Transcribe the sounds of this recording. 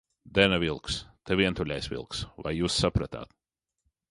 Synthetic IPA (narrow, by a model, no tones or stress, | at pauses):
d̪ɛnavilˠkst̪evʲiɛnt̪ulʲɛjsvʲḭlˠksva̰jːuːsːapɾat̪a̰ːt̪